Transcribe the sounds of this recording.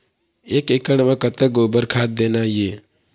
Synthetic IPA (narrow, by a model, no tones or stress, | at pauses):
eːkeːkəɽmãkət̪əɡoːbəɾkʰaːt̪̚d̪eːnaːjeː